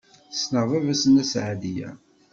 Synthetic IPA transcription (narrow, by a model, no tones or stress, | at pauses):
snəʁˤævæsənæsʕðijæ̰